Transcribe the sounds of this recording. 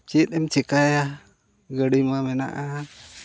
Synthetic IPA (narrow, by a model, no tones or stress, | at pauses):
t͡ʃit̪̚ɛmt͡ʃikaja | ɡəɽimamɛna̰ʔa